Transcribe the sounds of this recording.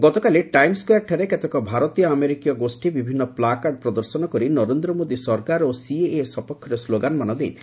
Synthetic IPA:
ɡɔt̪ɔkaliʈajmskɔjaʈʰaɾeket̪ekɔbʱaɾɔt̪ijɔameɾikijɔɡosʈibibʱinːɔplakaɖ̚pɾɔd̪ɔɾsɔnɔkɔɾinɔɾend̪ɾɔmod̪isɔɾkaɾosieesɔpɔkʰːɔɾesloɡanɔmanɔd̪ejt̪ʰile

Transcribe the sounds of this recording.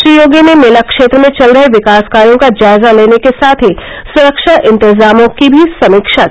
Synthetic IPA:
ʃɾijoːɡimemelakʃeːt̪ɾəmẽt͡ʃɐlɾɐɦeʋɪkaːskaːɾijõkad͡ʒaːɪzaleːnekesaːt̪ʰɦi | sʊɾəkʃaʔɪ̃nt̪ɪzaːmõkibʱisɐmiːkʃa

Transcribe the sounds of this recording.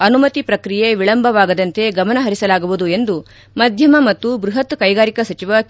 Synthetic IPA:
ɐnumɐt̪ipɾɐkɾijeʋiɭɐmbʱɐʋaːɡɐd̪ɐnt̪e̞ɡɐmɐnɐɦɐɾisɐlaːɡuʋud̪ue̞nd̪u | mɐd̪ʱjɐmɐmɐt̪ːubɾuɦɐt̪kɐjɡaːɾikɐsɐt͡ʃiʋɐk

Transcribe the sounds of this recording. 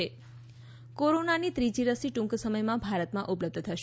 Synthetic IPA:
e | koɾonanit̪ɾid͡ʒiɾəsiʈũŋksəməjmãbʱaɾət̪mãʔupləb̚d̪ʱt̪ʰəʃ

